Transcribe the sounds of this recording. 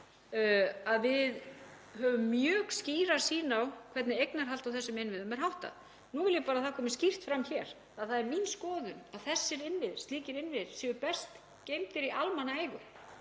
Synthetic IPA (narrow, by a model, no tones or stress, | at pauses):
aðvɪð | ɦœːvʏmːjœːɣsciːɾasiːnawkʰv̥ɛt̪nɪejknaɾ̥ɦalt̪awθɛsːʏmɪjnvɪðʏmɛɾ̥ɦawht̪a̰ | nuvɪljɛpaːɾaðθakʰɔːmɪscir̥t̪fɾamçɛɾ̥ | aðθaðɛɾmiːnskɔːðʏnaðθɛsːɪɾɪnvɪðst̪liːcɪɾɪnːvɪð̥sjɛʏpɛst̪ | cejmt̪ɪɾiʔalmanaeːjɣʏm